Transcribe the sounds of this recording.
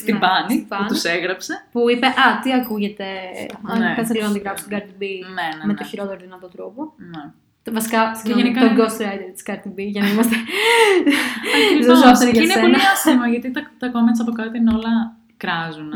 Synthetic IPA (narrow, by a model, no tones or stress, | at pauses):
st̪ibɐnibɐnuseɣɾɐpse̞puipe̞ʔɐt̪iɐkuʝe̞t̪e̞ɐkɐseliɣɐd̪iɣɾɐfst̪oɡɐɾt̪ibinenme̞oçiɾo̞t̪eɾoðinɐt̪o̞t̪ɾopo̞ne | vɐsi̥kɐteʝenikɐoɡost̪ɾɐjd̪et̪i̥skɐɾt̪ibiʝɐnɐimɐst̪e | ɐzozoseɾʝɐsneenɐɐsimɐʝɐt̪it̪ɐt̪ɐkomensɐpokɐt̪inolɐ | kɾɐzun